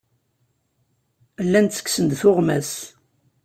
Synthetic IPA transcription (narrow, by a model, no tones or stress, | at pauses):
lːænt͡sə̥ksənd̪θʊʁmæs